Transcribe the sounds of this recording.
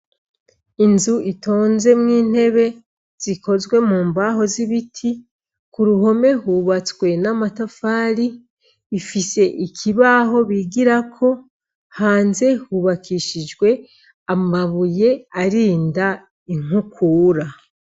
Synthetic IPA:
inzuʔitʰo̞ːnze̞mŋiːn̥he̞βe̞ | z̥ikʰo̞zɡwe̞muːmbaɦo̞ziβitʰi | kuɾuɦo̞me̞huβat͡swe̞namatafaːɾiː | fise̞ʔikʰiβaɦo̞βiɡiɾakʰo̞ | haːnze̞huβakʰiʃid͡ʒɡwe̞ | amaβuje̞aɾiːnda | iŋ̥hukʰuːɾa

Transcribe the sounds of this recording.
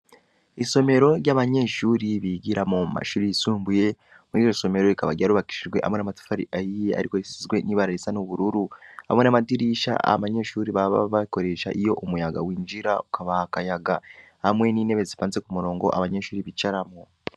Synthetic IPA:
iso̞me̞ɾo̞ɾjaːβaɲe̞ʃuːɾiβiɡiɾamoma̰ʃuːɾijisuːmbuje̞ | muɾiːjoso̞me̞ɾo̞ɾikaβaɟaɾuβaki̥ʃiʒɡwe̞ha̰mwe̞namatu̥faɾḭʔajijea̰ɾikoɾeʃizɡweniβaɾaɾisanuβuɾuɾuha̰mwe̞namadiɾiːʃa̰a̰βaɲe̞ʃuːɾiβaβa̰βako̞ɾe̞ʃa̰ʔijo̞ʔumujaɡa̰wiːnd͡ʒiɾa̰ukaβakajaɡahamwe̞niːne̞βe̞zipaːnze̞kumuɾo̞ːŋɡo̞̰ʔa̰βaɲe̞ʃuːɾiβit͡ʃaɾamo

